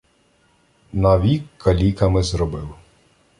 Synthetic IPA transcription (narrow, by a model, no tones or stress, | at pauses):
nɐʋʲikːɐlʲikɐmɪzɾɔbɪw